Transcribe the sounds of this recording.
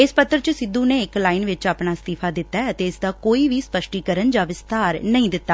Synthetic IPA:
ɪspət̪ːəɾt͡ʃəsɪd̪ːuːneːɪklaːinʋɪt͡ʃaːpnaːst̪iːpʰaːd̪ɪt̪ːaɛət̪eːɪsd̪aːkoːiːʋiːspəʃʈiːkəɾənd͡ʒaːʋɪst̪aːɾnəĩːd̪ɪt̪ːaː

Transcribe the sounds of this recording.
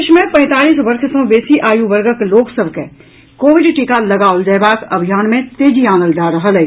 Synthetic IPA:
ʃmẽpɛ̃ːt̪aːliːsʋɐɾʃsõbeːsiʔaːjuʋɐɾɡəkloːksəbəkɦɛ̰ | koːʋɪɖʈiːkalɐɡaːold͡ʒɐːbaːkɐbʱijaːnmẽt̪eːd͡ʒiaːnəld͡ʒaːɾɐɦalɐ

